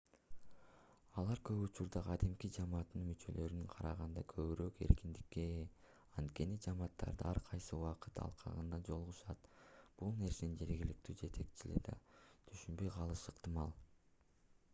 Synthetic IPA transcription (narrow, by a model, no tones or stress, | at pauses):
ɑlˠɑɾkø̞βut͡ʃuɾd̪ɑqʰɑd̪imkid͡ʒɑmɑːt̪ːɯnmyt͡ʃø̞̰lø̞ɾynɴqʰɑɾɑʁɑnd̪ɑkʰø̞βyɾøke̞̰ɾkind̪ikːe̞ | ɑnt̪ke̞nid͡ʒɑmɑːt̪ːɑ̰ɾd̪ɯɑɾqʰɑjsɯuwɑqɯt̪ɑ̰lˠqʰɑ̰ʁɯ̰nd̪ɑd͡ʒo̞lˠʁuʃɑt̪b̥ulˠne̞ɾse̞nind͡ʒe̞ɾɡilik̚t̪yːd͡ʒe̞t̪ʰe̞kt͡ʃilḭd̪ɑ̰t̪ʰyʃynbø̞jqʰɑlˠɯʃɯqt̪ɨmɑlˠ